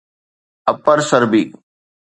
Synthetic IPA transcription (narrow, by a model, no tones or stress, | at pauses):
ɐpəɾsəɾbiː